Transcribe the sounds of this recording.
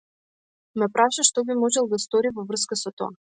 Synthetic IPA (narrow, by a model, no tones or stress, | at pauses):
mɛpɾaʃaʃt̪ɔbimɔʒɛlˠɡ̪ast̪ɔɾivɔvr̩skasɔt̪ɔ̰a